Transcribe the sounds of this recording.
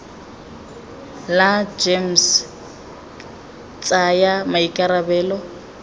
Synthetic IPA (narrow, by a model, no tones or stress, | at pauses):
lad͡ʒems | t͡sʼajamaikʼaɾabɛːlɔ